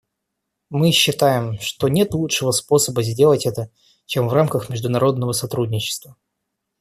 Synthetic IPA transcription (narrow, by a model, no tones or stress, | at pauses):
mɨɕːɪt̪ajɪmʂt̪o̞nʲe̞t̪lˠut͡ʂʂɨvəspo̞səbəzʲdʲe̞lˠətʲɛt̪ə | t͡ɕemvramkəxmʲɪʐd̪ʊnɐɾo̞d̪nəvəsɐt̪ɾudʲnʲɪt͡ɕːɪ̥st̪və